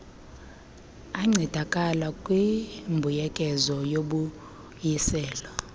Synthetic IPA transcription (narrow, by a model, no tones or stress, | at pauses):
aŋ͡ǀʱid̥ʱakʼalakʼwimbʱujɛkʼɛzɔjoɓu | jisɛːlɔ